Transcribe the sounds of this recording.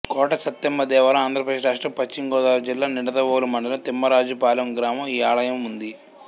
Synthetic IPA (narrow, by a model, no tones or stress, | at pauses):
kɔːʈɐsɐt̪ːɐmbɐd̪ɛːʋɐlɐaːnd̪ʱɾɐp̬ɾɐd̪eːʂɾaːʂʈɐpɐt͡ʃːiŋɡɔːd̪aːɾud͡ʒilːaːniɽɐd̪ɐʋoːlumɐɳɖɐlɐt̪imːɐɾaːd͡ʒupaːlɐmɡɾaːmɐmiːaːɭɐjɐmund̪i